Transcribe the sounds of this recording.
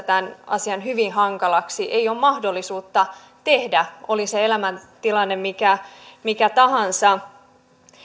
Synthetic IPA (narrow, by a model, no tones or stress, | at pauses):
t̪ænɑ̰siɑnhyʋinhɑŋkɑlɑksiʔeijommɑhdo̞lːisuːt̪ːɑ | t̪ehdæoliseelæmænt̪ilɑnːemmikæmikæt̪ɑɦɑnsɑ